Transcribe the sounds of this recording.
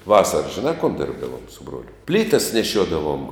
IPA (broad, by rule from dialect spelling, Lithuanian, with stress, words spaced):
ˈʋɑːsɐrɐs ʒʲɪˈnɑː koːn ˈdʲɪrbdɐʋoːm sʊ ˈbruɔlʲʊ ˈpʲlʲiːtɐs nʲɛˈʃʲuɔdɐʋoːm